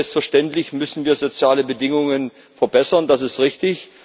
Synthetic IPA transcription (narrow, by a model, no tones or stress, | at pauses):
lpstfɛɐʃtɛntlɪçmʏsn̩viːɐzot͡sjaːləbədɪŋʊŋən | fɛɐbɛsɐndasɪstʁɪçtɪç